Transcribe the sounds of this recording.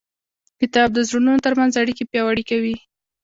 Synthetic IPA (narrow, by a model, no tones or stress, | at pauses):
kɪt̪ɑb̚d̪əzɾununot̪əɾmanzaɽikepjɑwaɽikawi